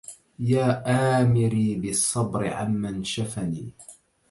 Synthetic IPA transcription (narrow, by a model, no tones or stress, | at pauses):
jaːʔaːmɪɾiːbɪsˤːɑbɾɪ̰ʕa̰mːanʃafaniː